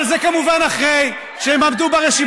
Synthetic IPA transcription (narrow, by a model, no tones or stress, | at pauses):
lzekamuvanaχʁej | ʃeemamd̪ubaʁeʃim